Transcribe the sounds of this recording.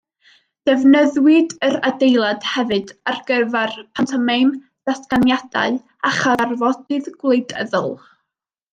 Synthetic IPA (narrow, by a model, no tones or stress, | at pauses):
d̥ɛvnəðwɪdəɾadejlˠad̥hɛvɨdarɡ̥əvarpʰantʰamejn | d̥asɡ̥anjad̥a̰ɨ | aχarvɔd̥ɨðɡwlˠejdə̰ðʊ̰lˠ